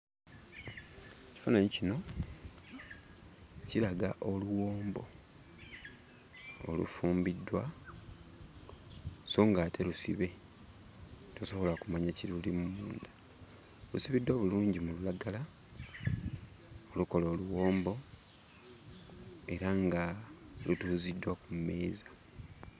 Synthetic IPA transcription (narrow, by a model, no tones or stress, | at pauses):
eci̥fanaɲicino̞ | cilaɡaʔo̞luwo̞ːmbo̞ | o̰lṵfuːmbidːwa | so̞ŋɡaːtʰelusiβe̞ | toso̞βolakumaɲaciulimumuːndḁ | lusiβidwaβuluːɲɟimululaɡala | o̞luko̞lo̞ːluwo̞ːmbo̞ | e̞ɾaŋɡa | lutuːzidːwakumme̞ːzḁ